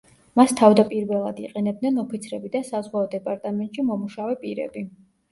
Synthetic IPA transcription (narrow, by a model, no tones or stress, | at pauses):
mast̪ʰavd̪apʼiɾvɛlˠad̪iqʼɛnɛb̚d̪nɛnɔpʰit̪sʰɾɛbid̪asazʁwaɔd̪ɛpʼaɾt̪ʼamɛnt̪ʼʃimɔmuʃavɛpʼiɾɛ̰bi